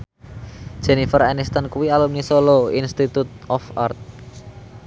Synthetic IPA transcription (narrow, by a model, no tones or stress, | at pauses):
d̥ʒ̥e̤nifəɾanist̪ankuwialumnisoloinst̪it̪ut̪̚ʔɔfa̰rt̪̚